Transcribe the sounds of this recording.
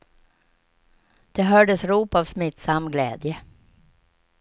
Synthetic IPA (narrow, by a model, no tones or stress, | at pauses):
d̪̥ɛɦœːɖəsɾuːpavsmɪt̪samːɡlɛ̰ːd̪jə